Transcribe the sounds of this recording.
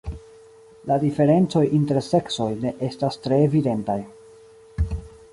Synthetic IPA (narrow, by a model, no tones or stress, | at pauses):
ladife̞ɾe̞nt͡so̞jʔinte̞ɾse̞kso̞jne̞ʔe̞stastɾe̞ːvide̞ntaj